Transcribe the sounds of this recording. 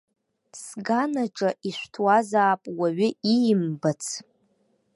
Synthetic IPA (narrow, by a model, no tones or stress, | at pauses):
sɡanaʈ͡ʂʼaʔiʃʷtʰwazaːpʼwaɥɪijmbat͡sʰ